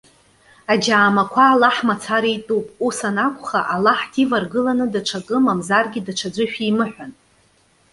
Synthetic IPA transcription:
ad͡ʒaːmakʷʰaːlaħmat͡sʰaɾijtʼupʼusanakʷʰʼχaʔalaħdʰivarɡɨlanɨdaʈ͡ʂʰakʼɨmamzarɡʲidaʈ͡ʂʷʰad͡zʷɨʃᶣimɨħʷᶣan

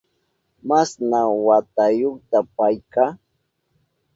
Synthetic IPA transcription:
masnawat̪ajoχt̪apajkaː

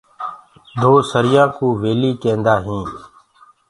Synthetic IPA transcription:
d̪ʱoːsəɾɪjãːkuːʋeːliːkẽːnd̪aːɦĩː

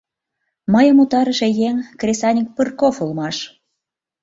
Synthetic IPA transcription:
məjə̆mut̪ɑɾəʃe̽jeŋkrʲesɑnʲik̚pɨrkofulmɑʃ

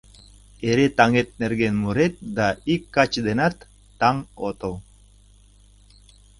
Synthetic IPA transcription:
eɾet̪aŋet̪̚neɾɡenmuɾet̪̚d̪aikːat͡ʃd̪enat̪ː | aŋot̪o

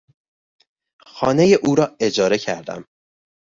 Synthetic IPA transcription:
xɒːne̞jeʔuːɾɒːe̞d͡ʒɒːɾe̞cʰæɾd̪æ̰m

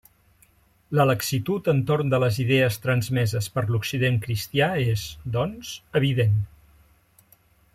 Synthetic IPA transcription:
lələksit̪ut̪ənt̪oɾnd̪ələziðɛəst̪ɾənzmɛzəspəɾluksiðeŋkɾist̪iaezd̪ɔnzəβ̞iðen

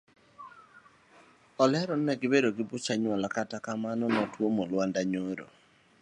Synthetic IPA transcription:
ɔlɛɾɔnɛɡɪbedoɡɪbut͡ʃaɲwɔlakatakamanɔnɔtwomolwandaɲoɾo̰

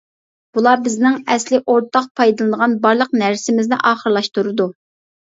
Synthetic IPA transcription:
b̥ulˠɑbɪznɪŋɛslɪʔoɾt̪ʰɑq̚pʰɑjd̪ɨlˠɨnəʁɑnbɑɾlˠəqnæɾsɪmɪznɪ̰ʔɑːχəɾlˠɑʃt̪uɾɨd̪u

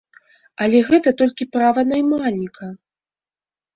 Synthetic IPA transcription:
ɐlʲɛɣɛt̪ɐt̪ɔlʲkʲipɾavɐnajmalʲnʲikʰɐ

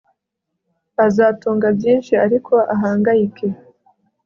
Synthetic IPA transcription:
azaːtuːŋɡabjiːnʃiaɾikʰo̞aɦaːŋɡajikʰe̞

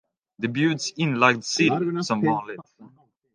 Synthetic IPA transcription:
d̪əbjʉːd̪sɪ̃nlaɪɡ̚d̪sɪlsɔmvɑːnlɪt̪

